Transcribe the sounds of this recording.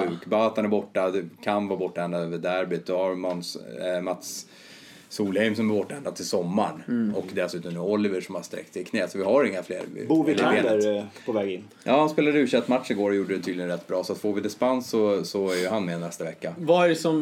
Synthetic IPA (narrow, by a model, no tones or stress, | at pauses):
ʉ̟ːkbaat̪hanæɾbɔʈːad̪ɛkʰanvɑːbɔʈːaɛnd̪ad̪øːvəɖæɾbɪt̪̚d̪ɔhaɾmanmat̪s | suːlhɛɪmsɔmbɛbɔʈːaɛnd̪ad̪t̪ʰːɪlsɔmːaɳɔkd̪ɛsʉ̟ːt̪ɔmɛɔlːɪvəʂɔmhast̪ɾɛ̰k̚t̪sɪkʰnɛːsɔvɪɦaɾɪŋːaflḛːɾ̰buːɾvɪaeːləɾpʰɔvɛːɡɪnː | jɑːhanspeːlad̪ɛʉʂɛkt̪ːmat̪ʂɪɡoːɾɔjuːɖəd̪ɛt̪ʰyːd̪ɪɡənɾɛt̪ːbɾɑːsɔat̪foːɾvɪd̪ɪspansːɔsɔæɾjɵɦanmɛnːɛst̪avɛkːavaæɖɛsɔm